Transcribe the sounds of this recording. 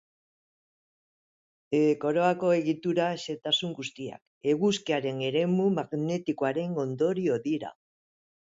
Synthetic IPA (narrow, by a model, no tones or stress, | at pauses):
eko̞ɾo̞ako̞e̞ɣit̪uɾaese̞t̪asuŋɡust̪ia̰k | e̞ɣuskiaɾe̞ne̞ɾe̞mumaɣne̞t̪ikoaɾe̞ŋo̞nd̪o̞ɾio̞ðiɾa̰